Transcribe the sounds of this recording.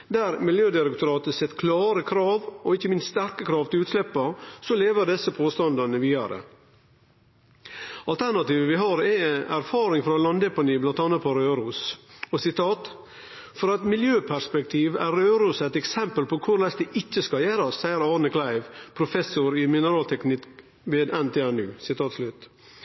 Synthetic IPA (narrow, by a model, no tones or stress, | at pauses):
d̪æɾmɪljøːd̪ɪɾɛkt̪ʰʊɾɑːt̪əsɛt̪ːkʰlɑːɾəkʰɾɑːʋɔɪçːəmɪnst̪st̪æɾkəkʰɾɑːʋt̪ʰɪlʉːt̪slɛpːɑsɔleːʋəɾɖ̪ɛsːəpʰoːst̪ɑnd̪ɑnəʋiːd̪ɑɾə̰ | ɑlt̪ʰæɳɑt̪iːʋəʋɪɦɑɾɛæɾfɑːɾɪŋfɾɑlɑnd̪ɛpɑniːblɑnt̪ɑːnːɑt̪̚pʰɔɾøːɾuːsɔsɪt̪ʰɑːt̪ | fɔɾɑt̪mɪljøːpʰæʂpɛk̚t̪ʰiːʋæɾøːɾuːsæɪt̪ɛksɛmpəlpʰɔkʰʊɾlɛsd̪ɛʔɪt͡ʃːəskɑjæːɾɑsːæɪəɾɑːɳəkʰlæɪʋpʰɾʊfɛsʊɾɪmɪnəɾɑːlt̪ʰɛknɪk | ʋeːd̪ɛnt̪ʰeːænʉːsɪt̪ʰɑːt̪slʉt̪